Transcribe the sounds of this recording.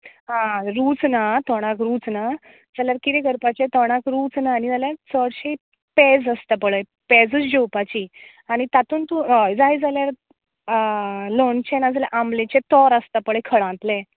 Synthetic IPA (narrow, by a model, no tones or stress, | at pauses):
ɦãɾuːt͡snat̪ɔɽ̃ãkɾuːt͡sna | d͡zaljaɾkiɾeɡəɾpat͡ɕet̪ɔɽ̃akɾuːt͡snaːñid͡zaljaɾt͡səɽɕe | ped͡zəst̪apəɭəj | ped͡zət͡sd͡ʑowpat͡ɕiː | aɽ̃it̪at̪uːnt̪ud͡zajd͡zaljaɾ | lont͡ɕenad͡zaljaʔamlet͡ɕet̪ɔɾəst̪apəɭəjkʰəɽãt̪lẽ